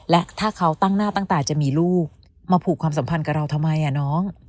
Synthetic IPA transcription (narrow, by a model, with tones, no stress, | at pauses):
lɛ˦˥ʔt̪ʰaː˥˩kʰa˦˥wt̪a˥˩ŋnaː˥˩t̪a˥˩ŋt̪ɛː˨˩t͡ɕa˨˩miː˧luː˥˩k̚ | maː˧pʰuː˨˩kʰwaː˧ms̬a˩˦mpʰa˧nka˨˩ɾa˧wt̪ʰa˧ma˧jʔa˨˩nɔː˦˥ŋ